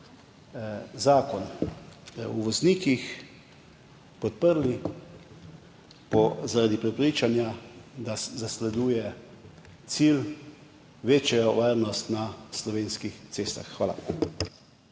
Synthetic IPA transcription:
zaːkɔn | uʋɔzniːkix | pɔt̪̚pəɾli | pɔzaɾad̪ipɾɛpɾiːt͡ʃanjad̪azaslɛd̪uːjɛ | t̪sil | ʋeːt͡ʃjɛjɔʋaːɾnɔst̪naslɔʋeːnskixt̪seːst̪a̰xːʋaːla̰

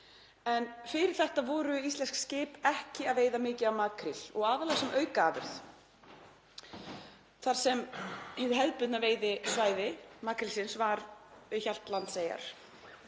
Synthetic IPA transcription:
ɛnfɪɾɪɾ̥θɛht̪avɔːɾʏist̪ɛnskscɪːpɛhcɪaðveːjðamɪːcɪawmaːkʰɾɪl̥ɔ̰ɣaːðalaɣasɛmʔœːɥkaːvɪ̰ɾ̥θ | θaɾ̥sɛmhɛðʏɦɛðpʏt̪naveːjðɪsvaːjðɪmaːkɾɪlsɪnsvaɾçal̥t̪lant̪seːja̰ɾ̥

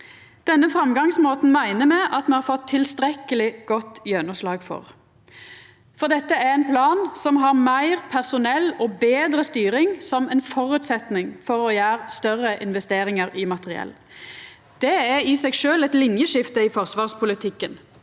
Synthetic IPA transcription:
d̪̥ɛnːəfʁɑmɡɑŋsmoːt̪n̩mæɪnəmɛʔɑt̪mɛnhɑːʁfɔt̪ʰːɪlst̪ʁɛkːəlɪɡ̥ɔt̪ːjœnʊslɑːɡfɔ̰ʁ | fɔʁd̪ɛt̪ːəæʁɛnpʰlɑːnsɔmɦɑʁmæɪʁpʰæʁsʊnɛlːɔːbeːd̪ʁəst̪yːɾɪŋsɔmɛnfɔʁʉːt̪sɛt̪nɪŋfɔʁɔːjæːʁst̪œʁəʔɪnʋɛst̪eːʁɪŋəʁɪmɑt̪əʁɪɛ̰lː | d̪̥ɛæɪsɛɡʃøːlɛt̪lɪnjəʃɪft̪əɪfɔʁsʋɑːʁspʰʊlɪt̪ʰɪkːən

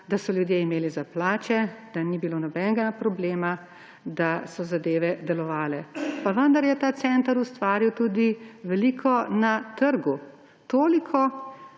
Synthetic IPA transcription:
d̪asɔljud̪jeimeːlizaplaːt͡ʃɛd̪̥anibiloːnɔbɛnɡapɾɔbleːma | d̪asɔzad̪eːʋɛd̪ɛlɔʋaːlɛpaʋənd̪aɾjɛt̪aːt̪sɛnt̪aɾust̪ʋaːɾiwt̪uːd̪iʋɛliːkʰɔnat̪əɾɡu | t̪oːlikʰɔ

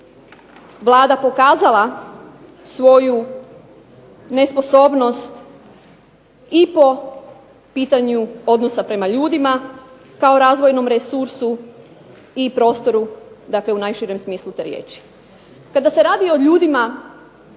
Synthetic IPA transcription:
ʋlˠaːd̪apo̞kaːzalˠa | sʋo̞ju | ne̞spo̞so̞ːbno̞st̪ | ipo̞ | piːt̪aɲuo̞d̪nosapɾe̞maʎuːd̪ima | kao̞ɾaːzʋo̞jno̞mɾesuɾsu | ipɾo̞ːst̪o̞ɾud̪akle̞unajʃiɾemsmiːslˠut̪eːɾjḛːt͡ʃi̥ | kad̪ase̞ɾaːd̪io̞ʎuːd̪ima

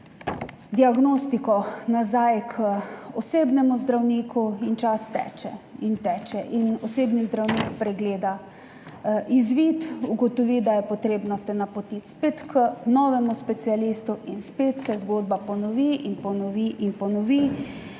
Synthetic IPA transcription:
d̪iaɡnost̪ikɔnazajkʰəɔseːbnɛmuzd̪ɾawniːkuint͡ʃast̪ɛ̰ːt͡ʃɛ̰int̪ɛːt͡ʃɛʔinɔseːbnizd̪ɾawniːkpɾɛɡleːd̪a | ʔizʋit̪uɡɔt̪ɔʋiːd̪ajɛpɔt̪ɾeːbnɔt̪ɛnapɔt̪it̪speːt̪kənɔʋɛmuspɛt̪sialiːst̪uʔinspet̪sɛzɡoːd̪̚bapɔnɔʋiːinpɔnɔʋiʔinpɔnɔʋi

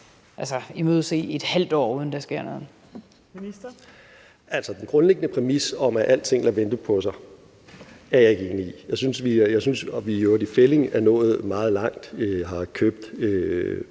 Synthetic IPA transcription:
ʔælsəimoðˠse̝̰ːe̝d̥hæl̰d̥ɒ̰ːuːð̞ˠn̩d̥ɑsɡ̥e̝ɐ̰nɔ̽ːð̩ˠ | ʔæl̰sɒd̥enɡ̥ʁɔ̽nleɡ̥ənəpʰʁɛmisɒ̽mæʔæl̰̥t͡sʰe̝ŋ̰læʋend̥əpʰɒ̽sɑ̈ɪ | æɐjɑ̈e̝ɡ̥əe̝ːniijɑ̈ɪsynsʋijɑ̈ɪsynsʋijo̝ɐd̥ifele̝ŋænɔ̰̽ːð̞̩ˠmɑ̈ːð̞̩ˠlɑ̈ŋ̰d̥øɦɑ̈kʰøb̥̚d̥ø

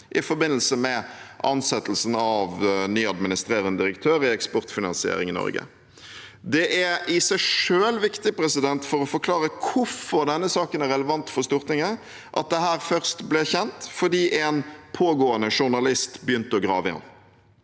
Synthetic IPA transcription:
ʔɪfɔɾbɪnːəl̩səmɛʔɑnsɛt̪ːəlsən̩ɑʋnyːɑd̪mɪnɪst̪ɾeːɾənəd̪ɪɾəkt̪ʰøːɾɪɛkspɔʁt̪fɪnɑ̰nsɪḛːɾɪŋɪnɔ̰ʁɡə̰ | d̪ɛʔæɾɪsæɪʂøːlʋɪkt̪ɪpɾɛsɪd̪ɛnt̪fɔʁɔfɔɾkʰlɑːʁəkʰʊfɔɾd̪ɛnːəsɑːkənæɾɛləʋɑnt̪fɔʁst̪ʊʁt̪ɪŋə | ʔɑ̰t̪̚d̪ɛɦæːʁfœʁst̪blɛçɛnt̪fɔd̪iːʔɛnpʰoːɡoːənəʂʊʁnɑlɪst̪bjʏnt̪əɔɡɾɑːʋəɑ̰n

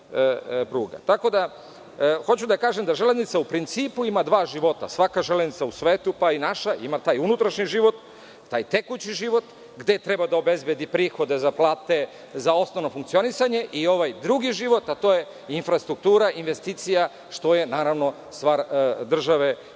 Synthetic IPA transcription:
pɾuːɡa̰t̪ako̞d̪a | xo̞t͡ɕud̪akaːʒemd̪aʒe̞leznit̪saupɾint̪siːpuimad̪ʋaːʒiʋo̞t̪a̰sʋakaʒeleznit̪sausʋeːt̪upainaʃaʔimat̪aːjunut̪ɾaʃɲiʒiʋo̞t̪ː | aːjt̪e̞kut͡ɕiʒiʋo̞t̪ | ɡd̪e̞t̪ɾe̞bad̪ao̞be̞zbjed̪ipɾiːxo̞d̪e̞zaplˠaːt̪e̞ | zao̞snoʋno̞fuŋkt̪sio̞nisaɲe̞ʔio̞ʋajd̪ɾuɡiʒiʋo̞t̪at̪o̞je̞ | infɾast̪ɾuk̚t̪uːɾaʔinʋe̞st̪iːt̪sija | ʃt̪o̞je̞naːɾaʋno̞ | st̪ʋaːɾd̪r̩ʒaʋe̞

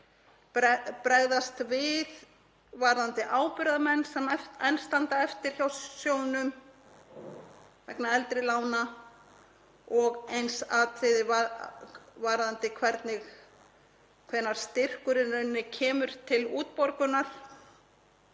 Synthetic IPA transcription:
ɛpɾɛɣðast̪vɪð | vaɾðant̪ɪʔaːwpʏɾðamɛnːsɛmɛɛjnst̪ant̪aɛft̪ɪɾ̥çawsjoːwnʏm | vɛ̰knaɛlt̪ɾɪlaːwna | ɔɣejnsaːt̪ʰɪðɪva | vaɾðant̪ɪkʰvɛɾt̪nɪɣ | kʰvɛnaɾ̥st̪ɪr̥kʏɾɪnʏnːɪcʰɛːmʏɾ̥t̪ʰɪluːt̪̚pɔɾkʏnaɾ̥

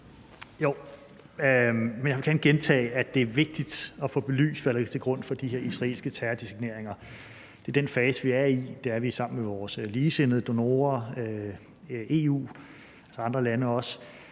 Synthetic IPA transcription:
jo | menjaʋekænɡ̥ent͡sʰɛ̰ːɪæd̥e̝æɐʋe̝ɡ̥̚d̥id̥ɒ̽fɔ̰̽ːb̥e̝ly̰ːsʋælt͡sʰe̝ɡ̥ʁɔ̽n̰fɒ̽d̥ihe̝ɐisʁɑ̈e̝̰ːlsɡ̥ət͡sʰæɐd̥isiɡ̥ne̝ɐ̰eŋɐ | d̥e̝d̥enfɛːsʋiæɐid̥e̝æɐʋisɑ̈m̰n̩meʋɒːsliːse̝n̰ð̩ˠd̥o̝no̝ːɐ | e̝ṵː | ælsɐɑ̈nd̥ʁɐlænəɒ̽s

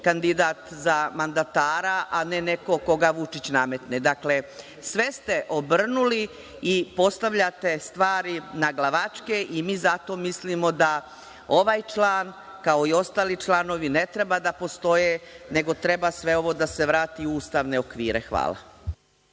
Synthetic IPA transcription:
kand̪id̪aːt̪zamand̪at̪aːɾaʔanene̞ko̞ko̞ɡaʋut͡ʂit͡ɕname̞t̪ned̪akle̞ | sʋe̞st̪e̞ʔo̞br̩nuli | ipo̞st̪aʋʎat̪e̞st̪ʋaːɾinaɡlˠaʋat͡ʂke̞ʔimiːzat̪o̞ːmislimo̞d̪a | o̞ʋaːjt͡ʃlˠaːn | kao̞io̞st̪aːlit͡ʃlano̞ʋine̞t̪ɾebad̪apo̞st̪o̞jene̞ɡo̞t̪ɾe̞basʋe̞o̞ʋo̞d̪ase̞ʋɾaːt̪iuuːst̪aʋne̞o̞kʋiːɾḛxʋa̰ːla̰

